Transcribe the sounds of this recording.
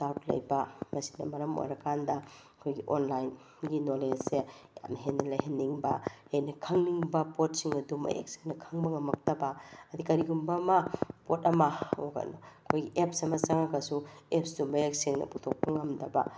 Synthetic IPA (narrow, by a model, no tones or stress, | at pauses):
sawtlɐ̰jbɐmɐsi̥dɐ̰mɐɾɐmo̰jɾɐkʰandɐɐkʰojɡiʔonlajn | ɡinolesseja̰mɦenɐlɐjɦenːiŋbɐhejnɐkʰɐŋniŋbɐpot̚siŋɐdumɐ̰ḛk̚si̥ŋnɐkʰɐŋbɐŋɐmɐk̚tɐbɐɐdikɐɾiɡumbɐmɐpotɐmɐoɡɐ̰noɐkʰojɡiʔep̚sɐmɐsaŋakɐsuepsdumɐek̚siŋnɐ̰putʰok̚pɐŋɐmdɐbɐ̰